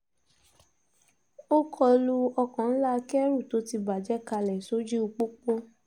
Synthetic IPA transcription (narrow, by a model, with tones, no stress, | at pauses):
o˦kʰɔ˧lu˧ɔ˧kã˨n̩˦la˦˧kɛ˦ɾu˦˨to˨˦ti˧ba˨d͡ʒɛ˦ka˧lɛ˨so˦d͡ʒi˦u˧k͡po˦k͡po˦